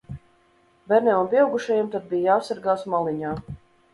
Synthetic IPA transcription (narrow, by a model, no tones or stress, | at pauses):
bɛɾnɛunpiɛwɡuʃajamt̪ad̪̚bijasaɾɡaːsmalˠiɲaː